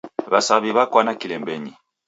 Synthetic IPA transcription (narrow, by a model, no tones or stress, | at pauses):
βasaβiβakwanakilɛmbɛɲi